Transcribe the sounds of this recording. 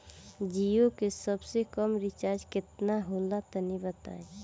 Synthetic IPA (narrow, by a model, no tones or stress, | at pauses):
d͡ʒijokesɐbsekəmɾɪt͡ʃaːɾd͡ʒkɪt̪naɦoːlat̪ənibət̪a̰ːe